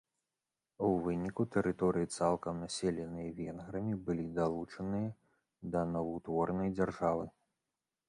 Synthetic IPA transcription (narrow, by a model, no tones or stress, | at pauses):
uvɨnʲikut̪ɛɾɨt̪ɔɾɨjit̪salˠkɐmnasʲɛlʲɛnɨjɐvʲɛnɣɾɐmʲibɨlʲid̪alˠut͡ʂɐnɨjɐ | d̪ɐnɐvɐt̪vɔrnɐjd͡zʲɐrʐavɨ